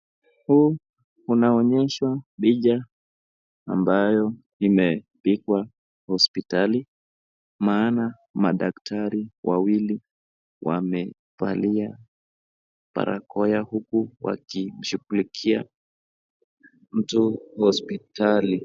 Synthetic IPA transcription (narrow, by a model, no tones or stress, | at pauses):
huː | unaɔɲɛʃwaɓiʄa | a̰mbajɔ | imɛpikwa | hɔspitali | maːna | maɗaktʰaɾiwʔa̰wili | wʔa̰mɛ | fa̰lia | pa̰ɾa̰kɔjahukuwa̰kim̩ʃuɡulikʰia | m̩tuhɔspitali